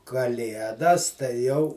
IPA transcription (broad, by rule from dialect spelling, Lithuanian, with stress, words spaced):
kɐˈlʲiɛdɐs tɐɪ ˈjɛʊ